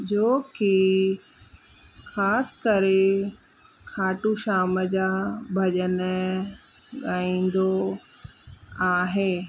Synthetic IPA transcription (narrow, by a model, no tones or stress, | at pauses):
d͡ʑoːki | xaːskəɾe | kʰaːʈuʃaːməd͡ʑabʱɐʄən | ɠaːĩːn̆d̪o | aːɦeː